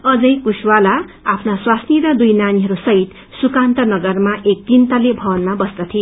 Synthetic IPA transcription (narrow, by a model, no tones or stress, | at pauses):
ʌd͡zʌjkuswala | apʰnaswasniɾʌd̪ujnaniɦʌɾusʌɦit̪ | sukant̪ʌnʌɡʌrmaʔek̚t̪int̪ʌlebʱʌbʌnmabʌsd̪ʌt̪ʰi